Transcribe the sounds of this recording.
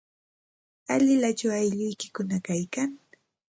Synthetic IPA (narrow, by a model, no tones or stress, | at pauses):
alɪlat͡ʃawajʎʊjkɪ̥kʊnakajkaŋ